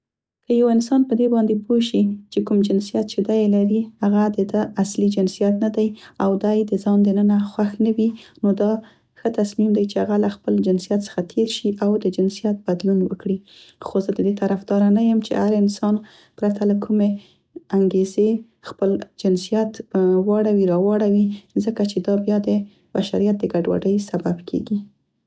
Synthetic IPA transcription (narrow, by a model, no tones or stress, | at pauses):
kəjawɪnsɑnpəd̪ebɑnd̪epʰoʃit͡ʃekumd͡ʒɪnsijat̪̚t͡ʃed̪ajelaɾihaɣad̪əd̪əaslid͡ʒɪnsijat̪nad̪ajawd̪ɑjd̪əzɑnd̪ənənaxwaxnawinod̪ɑ | xət̪asmimd̪ajt͡ʃehaɣalaxpəld͡ʒɪnsijat̪sə̥xat̪ʰeɾʃiʔawd̪əd͡ʒɪnsijat̪̚bad̪lunwəkɽi | xozəd̪əd̪et̪aɾafd̪ɑɾanajəmt͡ʃḛhaɾɪnsɑn | pɾat̪ʰalakʰume | aŋɡeze | xpəld͡ʒɪnsijat̪wɑɽawiɾɑwɑɽawizəkat͡ʃed̪ɑbjɑd̪ə | b̥aʃaɾijat̪̚d̪əɡaɖwa̰ɖəjsababkʰḛɡi